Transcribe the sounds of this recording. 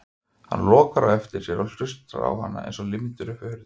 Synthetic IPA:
hanːlɔːkaɾawɛft̪ɪɾ̥sjɛɾawlʏst̪ɾa̰ɾa̰wha̰nːa̰ʔɛ̰jnsɔlɪmɪt̪ʏɾʏfɪhʏɾð

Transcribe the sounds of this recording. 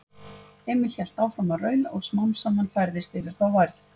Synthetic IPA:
ɛːmɪl̥çɛl̥t̪aːwfɾamaðrœːɥlaɔ̰ɣsmawnsamanfajɾðɪst̪ɪvɪɾ̥θawvajɾð

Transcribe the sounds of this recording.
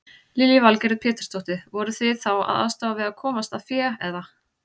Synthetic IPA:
liljɪvalkɛɾɪpʰɛːt̪ɪ̥t̪ʰɔht̪ɪvɔɾʏθvɪθawa̰ða̰st̪aːvavɪðakʰɔːmast̪aðfjɛːɛðva

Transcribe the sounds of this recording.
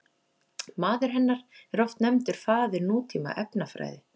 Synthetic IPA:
maːðʏɾ̥ɦɛnːaɾ̥ɛɾɔft̪nɛmt̪ʏɾ̥faːðɪɾnuːt̪ʰiːma̰ʔɛpnafɾa̰ːjðɪ

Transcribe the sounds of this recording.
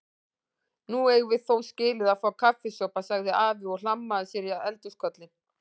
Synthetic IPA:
nuejɣʏvɪðθowscɪːlɪðaðfaːwkʰafɪsɔpasaɣðɪaːvɪɔɣl̥amːaðʏsjɛɾjaɛlt̪ʏskʰœt̪lɪn

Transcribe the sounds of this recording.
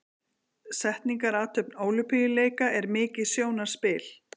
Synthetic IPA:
sɛht̪niŋkaɾaːt̪ʰœpnoːwlʏpijɪleːjkaʔɛɾmɪːcɪðsjoːwnaɾ̥spɪːl

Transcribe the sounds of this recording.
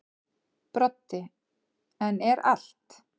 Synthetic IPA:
pɾɔt̪ːɪ | ɛnɛɾal̥t̪

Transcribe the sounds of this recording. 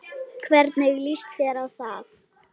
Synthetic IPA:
kʰvɛɾt̪neɣlist̪fɛːɾawθað

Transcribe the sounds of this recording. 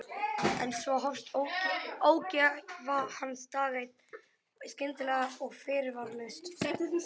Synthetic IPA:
ɛ̰nsvɔɦɔfst̪ʰowoːwcavahanːst̪aːðejt̪̚n | scɪnt̪ɪlɛːɣaɔɣfɪːɾɪɾvaɾlɪst̪ɛt̪ɪ

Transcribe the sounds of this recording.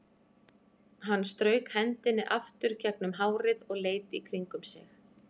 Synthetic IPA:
ɦanːst̪ɾœːɥkhɛnt̪ɪnːɪʔaft̪ʏɾ̥cʰɛknʏmɦaːwɾɪðɔɣleːjt̪ɪikʰɾiŋkʏmsɪx

